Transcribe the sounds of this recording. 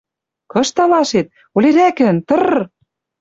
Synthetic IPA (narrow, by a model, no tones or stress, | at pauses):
kɤ̆ʃt̪ɑlɑʃet̪̚ | oleɾækɘ̆nt̪ɤ̆r